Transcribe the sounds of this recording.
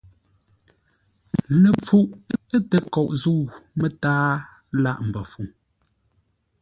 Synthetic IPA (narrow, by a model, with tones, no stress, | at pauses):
nə˨p͡fu˨ʔə˦tə˨kɔ˨ʔzu˦˨mə˦taː˦ | la˦˨ʔm̩˨bə˨fu˨